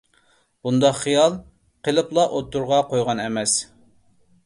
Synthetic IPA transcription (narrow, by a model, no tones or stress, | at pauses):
b̥und̪ɑqχijɑlˠ | qəlˠɨplˠɑʔot̪ːuɾʁɑqojʁɑnɛmɛs